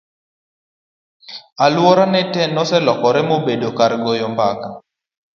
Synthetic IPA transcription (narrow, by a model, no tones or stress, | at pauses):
alwɔɾanɛtɛnːɔsɛlɔkɔɾɛmobedokaɾɡɔjɔmbaka